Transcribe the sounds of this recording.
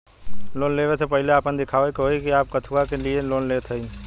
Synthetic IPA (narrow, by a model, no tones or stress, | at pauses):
loːnleːʋesepɐɦɪleaːpənd̪ɪkʰaːoekɦoikiaːp̚kɐt̪ʰuakelieloːnleːt̪ʰɛĩ